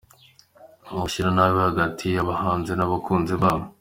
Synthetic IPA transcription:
umuʃiɾanawihaɡatʰijaβahaːnzenaβakʰuːnziβaːmo

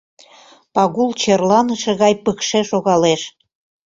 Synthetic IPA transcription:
pɑɣult͡ɕerlɑnəʃeɣɑjpəkʃeʃoɣɑleʃ

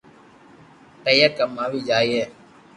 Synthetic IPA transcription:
ʈəjəkəmaːʋiːd͡ʒaːiːɦeː

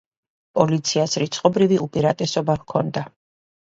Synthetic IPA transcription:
pʼɔlit̪sʰiasɾit̪sʰʼqʼɔbɾiviʔupʼiɾat̪ʼɛsɔbahkʰɔnd̪a

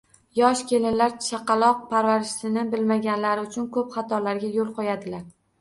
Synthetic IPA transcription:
jɒʃkʲe̞lɪnlaɾt͡ʃʰɑqɑlˠɒq̚pʰaɾvaɾɪʃsɪnɪbɪlmaɡʲanlaɾɪʊt͡ʃʰʊnkʰɵpχɑt̪ʰɒlaɾɡʲajolˠqɒjad̪ɪlaɾ

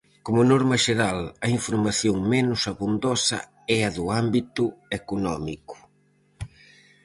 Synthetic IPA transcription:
komʊnɔɾmɐʃeɾalɐiɱfuɾmaθjoŋmɛnʊsaβund̪ɔsɐ̰ | ɛɐðuambit̪uekunɔmiku̥

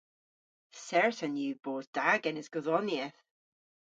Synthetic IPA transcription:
sɛɹtənjʉːb̥oːzd̥aɡɛnɪzɡ̥ɔðɔnjiɛθ

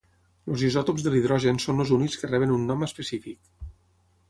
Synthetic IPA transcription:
lozizɔt̪opzðəliðɾɔʒənsonozuniskərɛβ̞ənunːɔməspəsifik̚

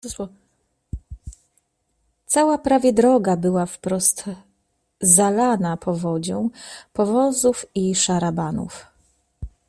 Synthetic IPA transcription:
t̪sawapɾavʲjɛd̪ɾɔɡabɘwafpɾɔst̪ | zalanapʰɔvɔd͡ʑɔ̃w̃pɔvɔzufiʂaɾabanṵf

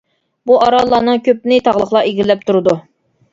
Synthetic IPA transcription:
buʔɑɾɑlˠːɑːnɨŋkʲʰøp̚nɪt̪ʰɑʁlˠəχlˠɑeɡʲilːɛp̚t̪ʰuɾɨd̪u

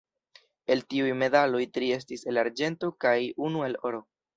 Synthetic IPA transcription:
e̞ltiujme̞dalo̞jtɾie̞s̬tise̞laɾd͡ʒe̞nto̞kajunue̞lo̞ɾo̞

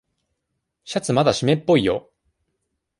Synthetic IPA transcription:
ɕat͡sɨmad̪aɕime̞pːo̞ijo̞̰

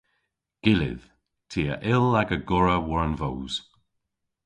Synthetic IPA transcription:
ɡ̥ɪlɪ̰ð̥ | tʰiːəʔɪlaɡəɡɔɹəwɔɹnvoːz̥

